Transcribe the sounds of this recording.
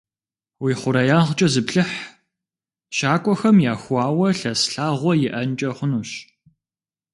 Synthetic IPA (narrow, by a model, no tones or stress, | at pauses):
wiːχʷʊɾɐjaːʁt͡ʃʼɐzɨpɬɨħ | ʃaːkʷʼɔxɐmjaːxʷɑːwɐɬɐsɬaːʁʷɔjɪʔɐnt͡ʃʼɐχʷʊnuːɕ